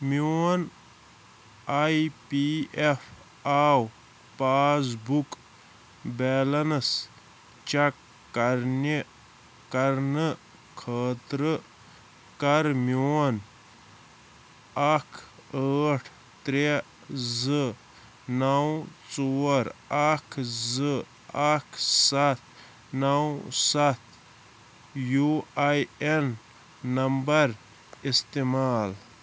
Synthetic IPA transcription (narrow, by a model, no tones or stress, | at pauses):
mun | aipief | aːw | paːzbuk | beːlɐnɐs | t͡ʃɐkː | ɐɾne | kɐɾnɨ | kʰəːt̪ɾɨ | kɐɾmjun | ɐkʰəːʈʰ | t̪ɾe | zɨ | nɐwt͡soːɾakʰzɨ | akʰsɐt̪̚ʰ | nɐwsɐt̪̚ʰ | juajenː | ɐmbɐɾ | ist̪emaːl